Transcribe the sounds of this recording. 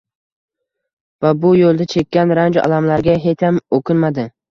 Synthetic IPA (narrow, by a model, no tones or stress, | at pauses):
vabʊjolˠd̪at͡ʃʰe̞kʲːanɾand͡ʒɒ̰lamlaɾɡʲaɦet͡ʃ̪ʰamokʰʲɪnmad̪ɪ